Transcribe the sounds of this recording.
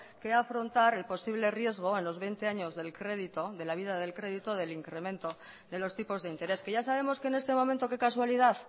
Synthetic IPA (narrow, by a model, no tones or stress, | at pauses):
ke̞afɾo̞nt̪aɾe̞lpo̞siβlerje̞zɣ̞o̞e̞nlo̞zβe̞jnt̪e̞aɲo̞zðe̞lkɾe̞ðit̪o̞ðe̞laβ̞iðað̞e̞lkɾe̞ðit̪o̞ð̞e̞liŋkɾe̞mẽnt̪o̞ | ðe̞lo̞st̪ipo̞zðeint̪e̞ɾe̞ske̞ʝasaβe̞mo̞ske̞ne̞st̪e̞momẽnt̪o̞ke̞kaswaliðaθ